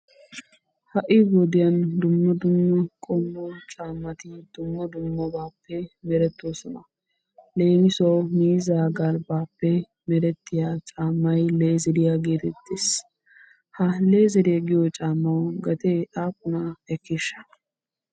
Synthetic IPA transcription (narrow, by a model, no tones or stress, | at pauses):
hɐʔɪbɔd̪ɪjɐnd̪ʊmːɐd̪ʊmːɐkʼɔmːɔt͡ʃʼaːmːɐt̪ɪd̪̥ʊmːɐd̪ʊmːɔbaːpːɛmɛɾɛt̪ːoːsɔnɐ | le̞ːnɪsowmiːzaːɡɐlbaːpːɛ | mɛɾɛt̪ːɪjaːt͡ʃʼaːmːɐjle̞ːzɪɾɪjaɡeːt̪ɛt̪ːeːs | hɐle̞ːzɪɾɪɡɪjɔt͡ʃʼaːmːɐwɡɐt̪ɛaːkʼːʊnɐɛkːɪʃːɐ̥